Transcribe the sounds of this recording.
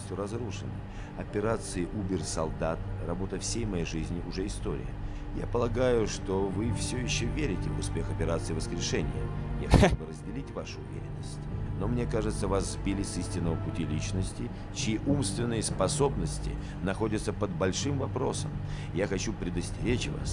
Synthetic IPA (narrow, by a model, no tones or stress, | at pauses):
sʲt̪ʲʊɾɐzruʂɨnə̰ | ɐpʲɪɾat̪sɨɪʔubʲɪrsɐlˠd̪at̪rɐbo̞t̪əfsʲejmɐjejʐɨzʲnʲɪʔʊʐɛɪst̪o̞ɾʲɪ̰jə | ja̰pəlˠɐɡajʊʂt̪o̞vɨfsʲojɪɕːovʲeɾʲɪtʲɪvʊspʲe̞xɐpʲɪɾat̪sɨɪvəskɾʲɪʂɛnʲɪ̰jə̰ja̰xʲubəɾəzʲdʲɪlʲitʲvaʂʊʊvʲḛɾʲɪnːəsʲtʲno̞mnʲekaʐɨt̪səvaszbʲilʲɪsisʲtʲɪnːəvəpʊtʲilʲit͡ɕnəsʲtʲɪ | t͡ɕɪiʔumst̪vʲɪnːɨjəspɐso̞bnəsʲtʲɪ̰ | nɐxo̞dʲɪt̪səpəd̪bɐlʲʂɨmvɐpɾo̞səm | jaxɐt͡ɕupɾʲɪd̪əsʲtʲɪɾʲet͡ɕva̰s